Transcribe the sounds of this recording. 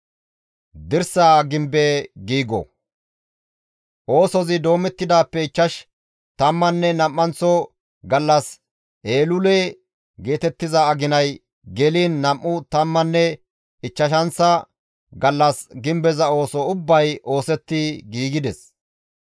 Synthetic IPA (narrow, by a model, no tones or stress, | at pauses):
d̪ɪɾsaːɡɪmbeɡiːɡɔ̰ | ʔo̞ːsɔzɪd̪o̞ːmɛt̪ːɪd̪aːpːɛɪt͡ʃːɐʃ | t̪ɐmːɐnːɛnɐmːɐnt͡sɔ | ɡɐlːɐs | ʔeːlʊleː | ɡe̞ːt̪ɛt̪ːɪzɐːɡɪnɐj | ɡɛliːnːɐmːʊt̪ɐmːɐnːɛ | ɪt͡ʃːɐʃɐnsɐ | ɡɐlːɐsɡɪmbɛzɐo̞ːsɔʊbːɐjo̞ːsɛt̪ːɪɡiːɡɪd̪ɛs